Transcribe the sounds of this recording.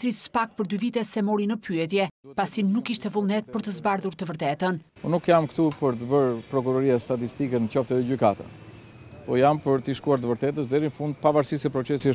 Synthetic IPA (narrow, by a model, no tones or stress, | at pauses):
ɾisə̥pak̚pəɾd̪yvit̪ɛsɛmɔɾinəpyɛt̪̬jɛpasinukːiʃt̪ɛvulˠnɛt̪̚pəɾt̪əzbaɾðuɾt̪əvəɾt̪ɛt̪ən | unukjamkt̪upəɾt̪əbəɾpɾɔkuɾɔɾiast̪at̪ist̪ikɛnət͡ʃɔft̪ɛtɛɟykat̪a̰ | pɔjampəɾt̪iʃkuaɾt̪əvəɾt̪ɛt̪əsd̪ɛɾinəfund̪̚pavaɾsisɛpɾɔt͡sɛsi